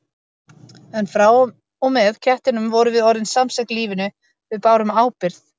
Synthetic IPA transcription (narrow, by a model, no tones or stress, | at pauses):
ɛnfɾaːw | ɔmɛðcʰɛht̪ɪnʏmvɔɾʏvɪðɔɾðɪnsamsɛhknliːvɪnʏ | vɪðpaːwɾʏmaːwpɪɾ̥θ